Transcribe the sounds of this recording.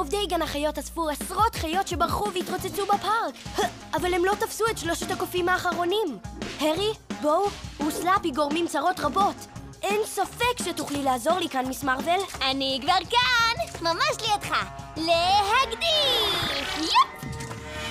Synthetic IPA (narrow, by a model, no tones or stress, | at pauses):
ovdejɡanaχajo̞tasfuasʁo̞tχajo̞tʃe̞baʁχuveitʁot͡set͡subapaʁk | ʔavalhemlo̞tafsuetʃloʃet̪akofimaːχaʁo̞nimheʁibowuslapiɡo̞ʁmimt͡saʁo̞tʁabo̞t | ʔensafe̞kʃetuχlilaːzo̞ʁlikanmismaʁvelaniɡvaʁkanmamaʃliatχalehaɡdi | jɛp